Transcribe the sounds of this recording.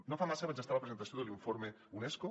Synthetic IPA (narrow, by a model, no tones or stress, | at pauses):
nofamasəβanzəst̪aləpɾəzent̪əsioðəliɱfoɾme | unɛsko